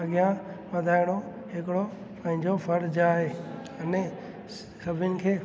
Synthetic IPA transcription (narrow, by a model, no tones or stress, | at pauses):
ɐɠijãʋɐd̪ʱaːɪɽ̃o | ɦɪkɪɽo | pɐ̃ɦɪ̃ɲd͡ʑofɐɾd͡ʑaːɦeː | ɐnẽ | kɐbʱənɪ̆kʰeː